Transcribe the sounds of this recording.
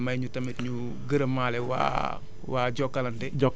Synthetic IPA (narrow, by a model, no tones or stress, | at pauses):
mɐjɲutɐmitɲu | ɡəɾɐmaːlɛwa̰ | waːɟɔkːɐlɐntɛd͡ʒɔkː